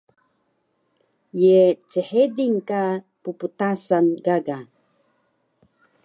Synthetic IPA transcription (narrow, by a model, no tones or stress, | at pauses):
jet͡siħediŋka | puput̪asanɡaɡa